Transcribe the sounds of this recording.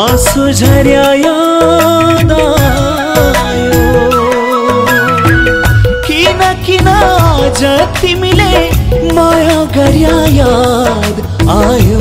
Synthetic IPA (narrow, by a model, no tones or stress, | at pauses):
ɐsud͡ʒʱɐɾjaːja | d̪a | jo | kinakinad͡ʒɐt̪imilemajaɡɐɾjajad̪ | aːju